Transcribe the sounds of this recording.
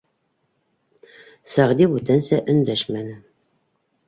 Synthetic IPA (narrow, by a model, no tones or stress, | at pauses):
sæʁd̪ibut̪ænsæʔɵ̆nd̪æʃmænɘ